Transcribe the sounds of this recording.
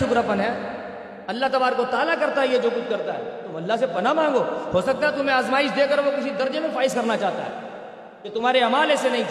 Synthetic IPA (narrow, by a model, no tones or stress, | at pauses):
ʊkɾəpənɦɛː | ɐlːaɦt̪ɐbaːɾkot̪aːlakɐɾt̪aɦɛɦɛd͡ʒoːkʊt͡ʃʰkɐɾt̪aɦɛ̰ːt̪ʊmɐlːaɦsepɐnamãːŋɡoːhoːsɐk̚t̪aɦɛt̪ʊmẽaːzmaːɪʃd̪eːkɐɾʋokɪsid̪ɐɾd͡ʒemẽfaːɪskɐɾnat͡ʃaːɦt̪a̰ɦɛ̰ː | ket̪ʊm̤aːɾeɐmaːlesenɐɦĩ